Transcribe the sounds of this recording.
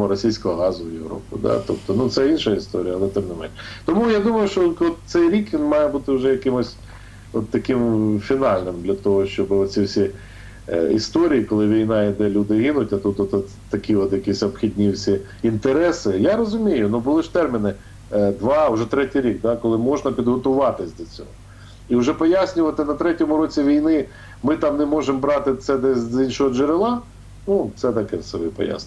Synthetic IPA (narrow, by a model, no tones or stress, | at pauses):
ɔɾɔsʲijsʲkɔɦɔɦɑzʊwjewɾɔ̰pɪ̰d̪ɑ̰t̪ɔpt̪ɔnut̪sɛinʃɐist̪ɔɾʲijɐlˠɛt̪ɪmnɪmɛnt̪ɔmujad̪umɐjʊʃt͡ʃɔlkɔt̪t̪sɛjɾʲikʋʲinmɑjɛbut̪ɪwʒɛjɐkɪmʊsʲ | ɔt̪ːɐkɪmfʲinɑlʲnɪmd̪lʲɐt̪ɔɦɔʃt͡ʃɔbɪɔt̪sʲiwsʲi | ist̪ɔɾʲijikɔlˠɪʋʲijnɑɪd̪ɛlʲud̪ɪɦinʊtʲɐt̪ut̪ɔt̪ɔt̪t̪ːɐkʲiɔt̪jɐkʲisʲɔpxʲidʲnʲiwsʲi | int̪eɾɛsɪjaɾɔzʊmʲijʊnubʊlˠɪʃt̪ɛrmʲinɪ | d̪ʋɑʊʒɛt̪ɾɛtʲijɾʲik̚d̪akɔlˠɪmɔʒnɐpʲid̪ɦɔt̪ʊʋɑt̪ɪsʲd̪ʲɐt͡sʲɔ̰ɦɔ | iʊʒɛpɔjasʲnʲʊʋɐt̪ɪnɐt̪ɾɛtʲɔmʊɾɔt͡sʲiʋʲijnɪ | mɪt̪ɑmnɛmɔʒembɾɑt̪ɪt̪sɛd̪ɛszʲinʃɔɦɔd͡ʒeɾɪlˠɑ | nut̪sɛt̪ɐkɛsɛbɪpɔ̰ja̰sʲnʲ